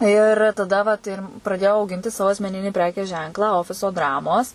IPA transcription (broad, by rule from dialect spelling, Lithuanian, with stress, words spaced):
ɪr tɐˈdɐ ʋɐt ɪr prɐˈdʲeːjɛʊ ɐʊˈɡʲɪnʲtʲɪ ˈsɑːʋoː ɐsʲmʲɛˈnʲɪnʲiː ˈpʲrʲæːkʲeːs ˈʒʲɛŋklˠɑː ˈoːfʲɪsoː ˈdrɑːmoːs